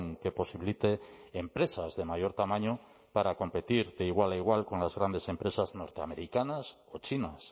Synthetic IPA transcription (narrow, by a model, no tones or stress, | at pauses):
ŋke̞po̞siβilit̪eːmpɾe̞sazðe̞majo̞ɾt̪amãɲo | paɾako̞mpet̪iɾd̪eiɣ̞walaiɣ̞walko̞nlazɣɾand̪e̞se̞mpɾe̞sazno̞ɾt̪ea̰me̞ɾikanas | o̞t͡ʃinas